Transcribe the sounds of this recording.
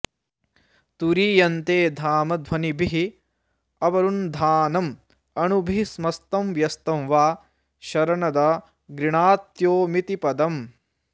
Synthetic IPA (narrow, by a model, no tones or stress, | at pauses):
t̪uɾiːjɐnt̪eːd̪ʱaːmɐd̪ʱʋɐnibʱiɦi | ɐʋɐɾund̪ʱaːnɐm | ɐnubʱismɐst̪ɐmʋjɐst̪ɐmʋaː | ʃɐɾɐɳɐd̪ɐ | ɡɾiɳaːt̪joːmit̪ipɐd̪ɐm